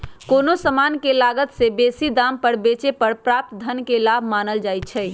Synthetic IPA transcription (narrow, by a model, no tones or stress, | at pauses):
konosəmankelaɡət̪sebesid̪ampəɾbet͡ʃepəɾpɾap̚t̪d̪ʱənkelabʱmanəld͡ʒajt͡ʃʰɛj